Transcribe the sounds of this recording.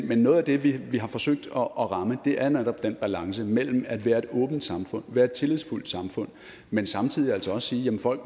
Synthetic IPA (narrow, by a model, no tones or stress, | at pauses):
menːɔ̽ːðˠæd̥e̝ʋiʋiɦɑ̈fɒ̽søɡ̥̚d̥ɒ̽ʔːʁɑ̈məd̥e̝ʔæɐned̥ɒb̥̚d̥enb̥ælɑ̈ŋsəmel̰m̩æd̥ʋæːɐe̝d̥ɔ̽ːb̥n̩d̥sɑ̈mfɔ̽n̰ʋæːɐe̝d̥̚t͡sʰe̝lið̰ˠsful̰d̥sɑ̈mfɔ̽n̰ | mensɑ̈mt͡sʰið̰ˠiæl̰sɒɒ̽ssiːjæmənfɒ̽l̰ɡ̥